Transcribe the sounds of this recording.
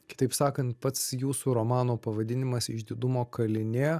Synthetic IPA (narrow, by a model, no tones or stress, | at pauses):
kʲɪ̥t̪ɐɪpsɑːkɐnt̪pɐt̪sjuːsuːɾomɑːnoːpɐʋɐd̪ʲɪnʲɪmɐsɪʒd̪ʲiːd̪ʊmoːkɐlʲɪnʲeː